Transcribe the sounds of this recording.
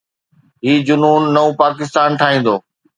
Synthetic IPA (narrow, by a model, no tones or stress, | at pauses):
ɦiːd͡ʑʊnuːnːɐũpaːkɪst̪aːnʈ̪ʰaːɦĩːn̆d̪oː